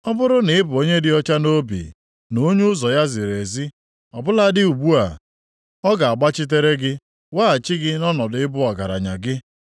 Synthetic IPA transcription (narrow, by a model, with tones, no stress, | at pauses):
ɔ˦bʊ˦ɾʊ˦nɪ˨ɪ˦bʊ˨o˦ɲe˦dɪ˦ɔ˦t͡ʃa˦no˦bḭ˨ | no˦ɲu˦zɔ˨ja˦zɪ˨ɾe˨zi˦ | ɔ˨bʊ˦la˦dɪ˦u˨ɡ͡bu˦a˨ | ɔ˦ɡa˨a˨ɡ͡ba˦t͡ʃɪ˦t̬e˦ɾe˦ɡɪ˦ | waː˦a˨t͡ʃɪ˦ɡɪ˦nɔ˦nɔ˨dʊ˨ɪ˦bʊ˦ɔ˨ɡa˨ɾa̰˨ɲa̰˨ɡɪ˦